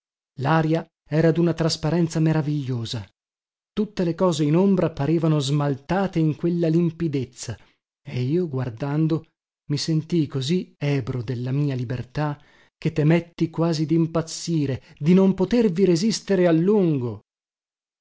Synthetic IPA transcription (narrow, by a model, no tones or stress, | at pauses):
laːɾja | ɛːɾad̪unat̪ɾaspaɾɛnt̪sameɾaviʎːoːza | t̪ut̪ːelekɔːzeinombɾapaɾeːvanozmalt̪aːt̪eiŋkwelːalimpid̪et̪sːa | eiːoɡward̪and̪o | misent̪ikoziɛːbɾod̪elːamiːalibert̪a | k̟et̪ːemet̪ːikwaːzid̪impat̪sːiːɾe | d̪inompot̪erviɾezist̪eɾealːuŋɡo